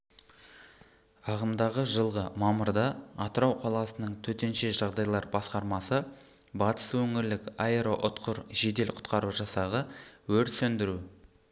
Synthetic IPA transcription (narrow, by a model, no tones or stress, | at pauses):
ɑʁəmd̪ɑʁəʒəlˠʁəmɑməɾd̪ɑɑt̪əɾɑwqʰɑlˠɑsənəɴt̪ʰɵt̪e̞nʃe̞ʒɑʁd̪ɑjlˠɑɾbɑsqɑɾmɑsə | bɑt̪ə̥swɵŋɪɾlɪkaeɾoʔʊt̪qʊɾʒe̞d̪e̞lqʰʊ̥t̪qɑɾuʒɑsɑʁəwɵɾt̪sɵnd̪ɪɾu